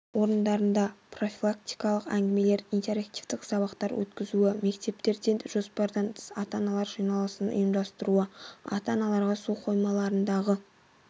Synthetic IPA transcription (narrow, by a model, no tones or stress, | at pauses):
wo̞ɾənd̪ɑɾənd̪ɑpro̞fʲilˠakt̪ijkɑlˠəqæŋɡʲɪme̞le̞ɾint̪e̞ɾakt̪ivd̪ɪksɑβɑqt̪ɑɾwɵ̰t̪kʲɪzuɪme̞kt̪e̞pt̪e̞ɾd̪enʒ̥o̞spɑɾd̪ɑnt̪ʰə̥sɑt̪ɑnɑlˠɑɾʒijnɑlˠsənʊ̰jəmd̪ɑst̪əɾuəɑ̰t̪ɑnɑlˠɑɾʁɑsuqʰo̞jmɑlˠɑɾənd̪ɑʁə